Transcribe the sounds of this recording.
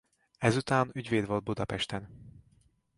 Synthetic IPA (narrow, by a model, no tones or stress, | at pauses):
ɛzut̪aːnyɟveːd̪vʋold̪̚bud̪ɒpɛʃt̪ɛn